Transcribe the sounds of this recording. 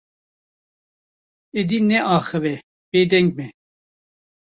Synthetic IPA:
ɛd̪inɛʔɑːxɛvɛ | b̥ed̪ɛŋɡ̚mɛ

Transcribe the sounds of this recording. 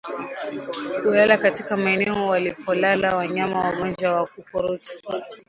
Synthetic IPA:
kulalakatikamaɛnɛɔwalipʰɔlalawaɲamawaɠɔnd͡ʒwawakupɔɾuti̥

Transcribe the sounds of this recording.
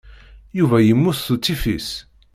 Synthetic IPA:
juvæjəmːuθθut͡sːifis

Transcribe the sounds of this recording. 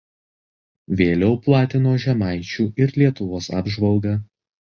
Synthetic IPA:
ʋʲeːlʲɛʊplˠɑːt̪ʲɪnoːʒʲɛmɑɪt͡ʃʲuːɪɾlʲiɛt̪ʊʋoːsɑ̰ːbʒʋɐlˠɡɑ

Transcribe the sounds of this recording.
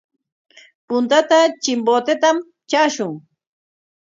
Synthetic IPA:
pʊnt̪at̪at͡ʃɪmboːt̪et̪am | t͡ʃaːʃʊŋ

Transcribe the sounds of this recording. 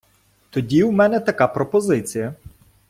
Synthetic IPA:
t̪ɔdʲiwmɛnɛt̪ɐkapɾɔpɔzɪt͡sʲijɐ

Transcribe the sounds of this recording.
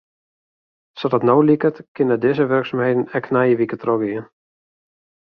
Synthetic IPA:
sɔdɔtnowlikətkɪnədɪzəʋørksamhejdən̩ɛknajəʋikətrɔɡɪən

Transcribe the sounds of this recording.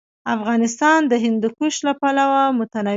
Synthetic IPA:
afɣɑnɪst̪ɑnd̪əɦɪnd̪ʊkuʃlapalawamʊt̪ana

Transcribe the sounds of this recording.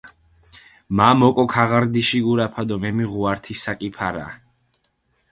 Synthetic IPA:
mamɔkʼɔkʰaʁaɾd̪iʃiɡuɾapʰad̪ɔmɛmiʁuaɾt̪ʰisakʼipʰaɾa̰

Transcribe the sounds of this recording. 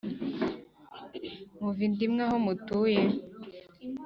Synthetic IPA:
muvindimŋahomutuje

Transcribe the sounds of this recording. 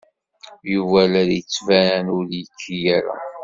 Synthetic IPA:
juvælæɾjət͡sːvæɾænʊɾjəkʰːijæɾa̰

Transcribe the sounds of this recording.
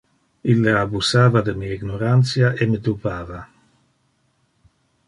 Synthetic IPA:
ilːeabusaːvad̪emiaiɡnoɾant̪sjaʔemed̪ubaːva

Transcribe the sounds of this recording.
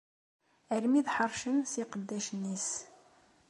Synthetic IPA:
əɾmiðħəɾˤʃənsiqəd̪ːæʃənːis

